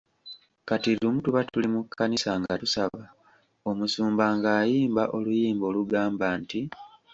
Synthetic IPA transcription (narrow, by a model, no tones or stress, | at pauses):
katilumutuβatulimukʰːanisaŋɡatusaβa | o̞musuːmbaːŋɡaːjiːmbaʔo̞lujiːmbo̞ːluɡaːmbaːnti